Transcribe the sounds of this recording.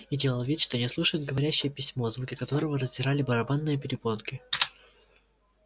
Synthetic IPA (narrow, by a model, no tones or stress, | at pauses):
idʲelˠəlˠvʲit̪ʲʂt̪o̞nʲɪslˠuʂəjɪd̪̚ɡəvɐɾʲæɕːɪjəpʲɪsʲmo̞zvukʲɪkɐt̪o̞ɾəvərəzʲdʲɪɾalʲɪbəɾɐbanːɨjəpʲɪɾʲɪbonkʲɪ